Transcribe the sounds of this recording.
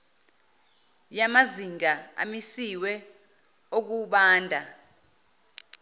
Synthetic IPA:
jamaziŋʱaa̰misiwɛ | ok̬uɓaːndʱa

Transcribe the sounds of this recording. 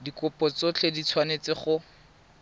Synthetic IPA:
dikʊpɔt͡sot͡ɬʰedit͡sʰwanet͡sɪχʊ

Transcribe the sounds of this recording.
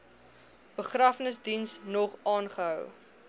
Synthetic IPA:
b̥əχrɐfnəsdinsnɔχɑːnχəɦœw

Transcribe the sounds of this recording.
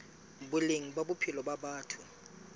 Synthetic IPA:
bʊleŋ̩ɓaɓʊpʰilɔɓaɓaːtʰu

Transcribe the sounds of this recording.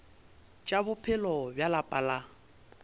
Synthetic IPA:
t͡ʃʼabʊpʰɪlɔbjalapʼala

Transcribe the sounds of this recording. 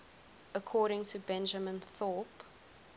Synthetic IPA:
əkʰɔːɾɪ̃ŋtʰəbɛ̃nd͡ʒəmə̃nθɔp

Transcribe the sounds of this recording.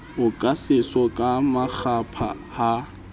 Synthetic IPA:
ʊkʼasɪsɔkʼamak͡xʰapʰa̰ | ha

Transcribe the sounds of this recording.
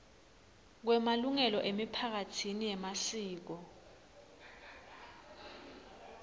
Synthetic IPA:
k̬wɛmaluŋɛlɔʔemipʰak̬atʰinijɛmasiːk̬ɔ

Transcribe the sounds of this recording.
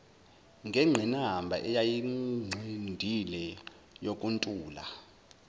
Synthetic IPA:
ŋɡʱɛŋ͡ǁʱɛnambʱa̰ʔɛjajiŋ͡ǀʱendʱilɛ | jokʼuntʼuːla̰

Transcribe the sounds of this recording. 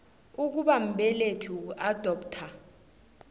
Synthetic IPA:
uk̬uɓam̩ɓɛletʰuad̥ʱɔːptʰa

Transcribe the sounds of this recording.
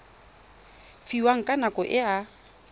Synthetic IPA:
fiwaŋ̩kʼanakʼɔʔɪa

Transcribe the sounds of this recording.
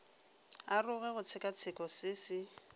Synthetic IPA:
arʊɣɛɣʊt͡sʰɪkʼat͡sʰɪkʼɔsɪːsɪ

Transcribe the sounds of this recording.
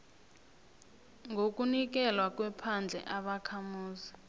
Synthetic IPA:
ŋɡʱok̬ʼunik̬ɛlwak̬ʼwɛpʰand͡ɮʱɛ̰ʔaɓakʰamuːzi

